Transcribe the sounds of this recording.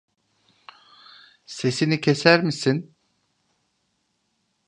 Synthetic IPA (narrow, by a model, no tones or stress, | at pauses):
se̞sinicʰesæɾmisin